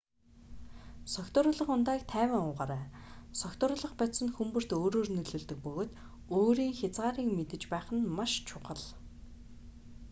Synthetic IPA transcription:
sɔkt̪ʊːɾʊːɮə̆χʊnt̪æːk̚t̪ʰæːwʲɪ̆ŋʊːʁaːɾæːsɔkt̪ʊːɾʊːɮə̆χpɔt̪sə̆nxumpɵ̆r̥t̪oːɾoːrnɵɮɵ̆ɮt̪ɵ̆k̚pɵɣoːt̪ | oːɾiːŋxʲat͡sʁaːɾiːŋmet̪ɘ̆t͡ɕpæːχə̆nmaʃt͡ɕʰʊqə̆ɮ

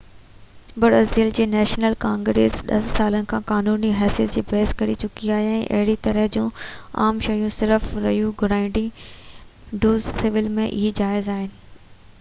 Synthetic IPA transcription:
bɐɾəziəld͡ʑeːnɛːʃnəlkãːŋɡɾḛːsɗɐ̰sːaːlənɪkʰãːkaːnuːniɦɛːsijət̪̚d͡ʑiːbɐɦskɐɾit͡ɕʊkiaːɦeɛ̃ːʔɐ̰ɦɪɽit̪ɐɾəɦd͡ʑũːa̰ːmʃɐjũsɪɾəfɾɐɦjũɡʱʊɽaːĩɳɖi | ɖoːzsɪʋɪlmẽʔɪɦid͡ʑaːɪzaːɦɪnɪ̆

